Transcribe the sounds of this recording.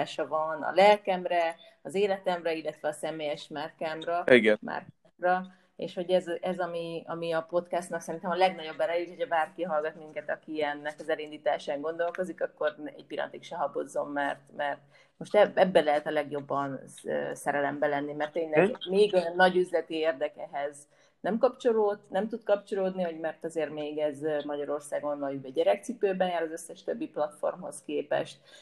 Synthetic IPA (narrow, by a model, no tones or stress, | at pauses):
aːʃɒvɒnɒ̰lɛlkɛmrɛ | ɒzeːlɛt̪ɛmrɛilːɛt̪ʋɛɒsɛmeːjɛʃmarkaːmrɒiɡɛma̰rkː | rɒ | ḛːʃho̞ɟɛzɛzɒmiɒ̰miɒpo̞t̪kɛst̪nɒksɛɾint̪ɛmɒlɛɡnɒɟo̞bːɛɾɛjic̪hocʰɒbaːrkiɦɒlɡɒt̪miŋkɛt̪ɒkiɛnːɛkɒzɛlind̪iːt̪aːʃaːŋɡo̞nd̪o̞lko̞zikɒkːo̞rɛ̰ɟ̚pilːɒ̰nt̪ikʃɛɦɒbozːo̞mːɛrt̪mɛrt̪ | mo̞ʃt̪ɛɛbːɛlɛɦɛt̪ɒlɛɡjo̞bːɒnø̰ːsɛɾɛlɛmbɛlɛnːimɛrt̪ːeːnlɛɡmeːɡnːɒɟyzlɛt̪ieːrd̪ɛkɛɦɛz | nɛmkɒpt͡ʃo̞loːt̪nɛmt̪ud̪kɒpt͡ʃo̞loːd̪niho̞ɟmɛrt̪ɒzeːrmeːɡɛzmɒɟɒɾo̞rsaːɡonːɒjyvɛɟɛɾɛk̚t̪sipøːbɛnjaːɾɒzøsːɛʃt̪øbːiplɒt̪fo̞̰rmɦo̰skeːpɛ̰ʃt̪̚